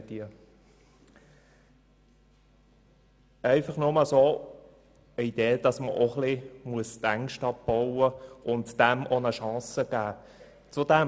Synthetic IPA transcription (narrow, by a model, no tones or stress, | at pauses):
iə | æɪfɑχnʊməso | əid̥eːd̥ɑsməʔoχlimuəst̪æŋkʃtɑp̚b̥ɔʊəʔʊntd̥æmonəʃɑ̃ːsəɡ̥æː | t͡sʊd̥ɛ